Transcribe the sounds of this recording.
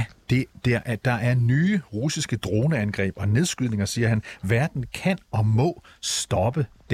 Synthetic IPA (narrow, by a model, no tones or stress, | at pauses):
d̥e̝d̥eʔd̥ɑ̈ʔæɐnyːʁusisɡ̥əd̥ʁo̝ːnəænɡ̥ʁɛ̰ːb̥ɒ̽ne̝ð̞ˠsɡ̥yð̞ˠne̝ŋɐsiːɐhænʋæɐd̥n̩kʰæn̰ɒ̽mɔ̽ːsd̥ɒ̽b̥ə | d̥